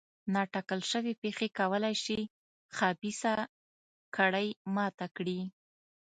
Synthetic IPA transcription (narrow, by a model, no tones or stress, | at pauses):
nɑʈɑkəlʃəwepexekawəlajʃi | xɑbisa | kʰaɽəjmɑt̪akɽi